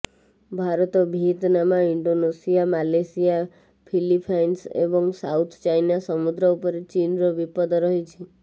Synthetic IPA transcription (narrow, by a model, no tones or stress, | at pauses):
bʱaɾət̪obʱit̪namãiɳɖonesijamalesija | pʰilipʰajnsḛbɔŋsa̰ut̪ʰt͡ʃajnasəmud̪ɾəupəɾet͡ʃinɾobipəd̪ɾəɦit͡ʃʰe